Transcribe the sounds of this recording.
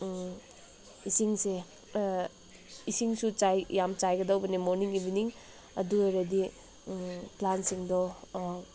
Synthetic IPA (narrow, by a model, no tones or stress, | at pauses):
isiŋse | isiŋsut͡ʃajjamt͡ʃajɡɐdɔwbɐnemoɾniŋibiniŋ | ɐduejɾɐdi | plansiŋdɔ